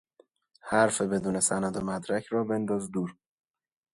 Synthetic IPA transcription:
hæɾfebe̞d̪uːne̞sænæd̪omæd̪ɾæcʰɾɒːbe̞nd̪ɒːzd̪uːɾ

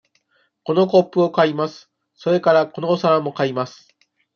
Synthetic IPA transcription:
ko̞no̞ko̞pːɯo̞kaimasɨ̥ | so̞ɾe̞kaɾako̞noːsaɾamo̞kaimasɨ̥

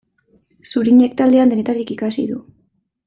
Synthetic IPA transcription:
suɾiɲe̞k̚t̪ald̪e̞and̪e̞ne̞t̪aɾikikasḭðu

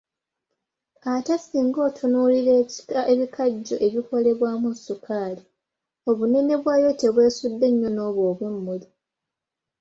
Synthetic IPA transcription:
atasiːŋɡo̞ːtʰunuːliɾeeβikʰaɟːo̞̰ʔe̞βiko̞le̞βwaːmusukʰaːli | o̞βune̞ne̞βwaːjo̞te̞βwe̞ːsudːe̞ɲːo̞no̞ːβoːβwemːuli

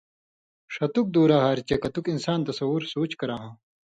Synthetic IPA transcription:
ʂɐt̪uk̚d̪uːɾaːɦaːɾt͡ɕekɐt̪ukinsaːnt̪ɐsɐwuɾsoːt͡ɕkɐɾaːɦãː

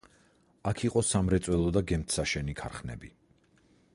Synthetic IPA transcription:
akʰiqʼɔsamɾɛt̪sʼwɛlˠɔd̪aɡɛmt̪ʰsaʃɛnikʰaɾχnɛ̰bi

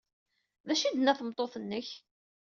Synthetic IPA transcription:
ðæʃid̪nːæθəmt̪ˤːoθənːəç

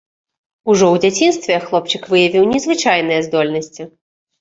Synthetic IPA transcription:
uʐɔwd͡zʲat͡sʲinst̪vʲɛxlˠɔpt͡ʂɨkvɨjɐvʲiwnʲɛzvɨt͡ʂajnɨjɛzd̪ɔlʲnɐsʲt͡sʲi

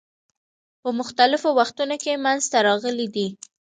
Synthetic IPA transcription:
pəmʊxt̪alɪfowaxt̪unokemanzt̪aɾɑɣəlid̪i

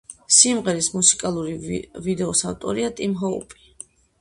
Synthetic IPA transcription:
simʁɛɾismusi̥kʼalˠuɾivid̪ɛɔsavt̪ʼɔ̰ɾiat̪ʼimɦɔṵpʼi̥

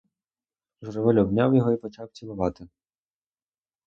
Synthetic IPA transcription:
ʒrɔʋelʲɔbnʲawjɔɦɔipɔt͡ʃɑwt͡sʲilˠʊʋɑt̪ɪ

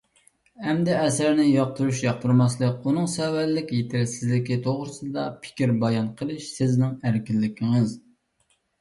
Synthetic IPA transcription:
hɛmd̪ɛɛsæɾnɪjɑq̚t̪ʰuɾuʃjɑq̚t̪ʰuɾmɑslˠəkʲunɨŋsɛwælːɪkʲjet̪ʰɪɾsɪzlɪkʲit̪ʰoʁɾɨsɨd̪ɑpʰɪ̥kʲiɾbɑjɑnqʰəlˠɨʃsɪznɪŋæɾkʲilːɪkʲʰɪŋɨz

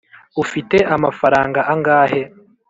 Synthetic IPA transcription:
ufite̞ʔamafaɾaːŋɡaʔaŋɡaːhe̞

